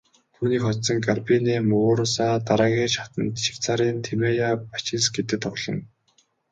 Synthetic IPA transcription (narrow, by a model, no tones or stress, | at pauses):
t̪ʰuːniːkχɔt̪sɞ̆ŋɡarpineːmɵɣʊːɾsaːt̪aɾaːɣʲiːt͡ɕat̪ə̆nt̪ʃi̥w̥t͡saːɾiːnt̪ʰemejapat͡ɕɪ̆nsɡet̪ɘ̆kt̪ʰɔɣɮɞ̆ŋ